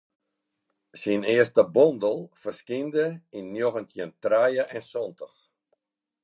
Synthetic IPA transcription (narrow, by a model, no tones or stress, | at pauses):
sinɪəstəbɔndəlˠfərskindəinːjoɣəntʰəəntrajəʔɛnsɔntəx